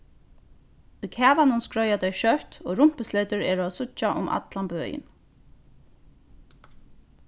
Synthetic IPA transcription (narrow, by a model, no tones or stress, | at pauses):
ujkʰæːʋanʊnskɹɔjat̪ɛjʃœht̪oːɣɾʊm̥pɪslet̪ʏɹɛːɹʊasʊt͡ʃːaʔʊ̰mʔa̰t̪lanbøːjɪ̰n